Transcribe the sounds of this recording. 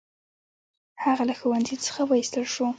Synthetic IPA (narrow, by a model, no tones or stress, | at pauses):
haɣalaxuwanzit͡sə̥xawajist̪əlʃu